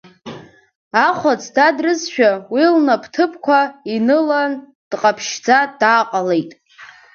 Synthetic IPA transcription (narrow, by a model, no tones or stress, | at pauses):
aχʷat͡sʰdadrɨzʃᶣawilnapʰtʰɨpʰkʷʰainɨlan | d̥qʼapʰʃd͡zadaːqʼalejtʼ